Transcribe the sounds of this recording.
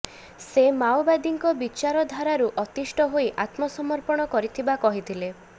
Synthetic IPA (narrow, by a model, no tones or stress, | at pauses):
semawbad̪iŋkɔbit͡ʃaɾɔd̪ʱaɾaɾuʔɔt̪isʈɔɦojʔat̪mɔsɔmɔɾpɔɽ̃ɔkɔɾit̪ʰibakɔɦit̪ʰile